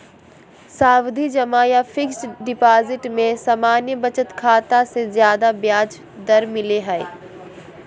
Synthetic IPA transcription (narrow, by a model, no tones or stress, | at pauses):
saːwd̪ʱid͡ʒɐmaːjafʰɪksɖɪpaːzɪʈmẽsaːmaːnjəbɐt͡ʃət̪kʰaːt̪asezjaːd̪abjaːd͡ʒ | d̪ɐɾmɪleɦɛɪ